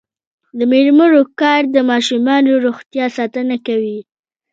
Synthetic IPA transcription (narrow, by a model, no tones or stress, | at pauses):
d̪əmeɾməɾokɑɾd̪əmɑʃumɑnoɾoxt̪jɑsɑt̪ənakawi